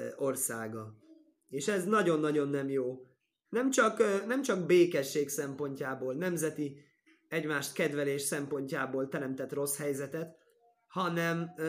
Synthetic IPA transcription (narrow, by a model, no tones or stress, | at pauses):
o̞rsaːɡɒ | eːʃɛznɒɟo̞nːɒɟo̞nːɛmjoː | nɛmt͡ʃɒknɛmt͡ʃɒɡbeːkɛʃːeːksɛmpo̞ɲcaːboːlnɛmzɛt̪i | ɛɟmaːʃt̪kɛd̪vɛleːʃsɛmpo̞ɲcaːboːlt̪ɛɾɛmt̪ɛt̪ro̞shɛjzɛt̪ɛt̪ | hɒnɛm